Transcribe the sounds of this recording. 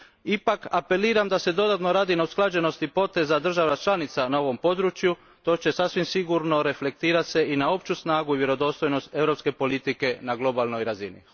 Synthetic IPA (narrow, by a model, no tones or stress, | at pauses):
ipakape̞liːɾamd̪ase̞d̪o̞d̪at̪noɾaːd̪inausklˠad͡ʒe̞no̞st̪ipo̞t̪e̞zad̪r̩ʒaʋat͡ʃlanit̪sanao̞ʋo̞mpo̞d̪ɾut͡ʃju | t̪o̞ːt͡ʃe̞sasʋimsiɡuɾno̞ɾe̞fle̞k̚t̪iːɾat̪se̞ʔinao̞pt͡ʃusnaːɡuiʋje̞ɾo̞d̪o̞ːst̪o̞jno̞st̪e̞ʋɾo̞pske̞po̞lit̪ike̞naɡlˠo̞balˠno̞jɾazinḭ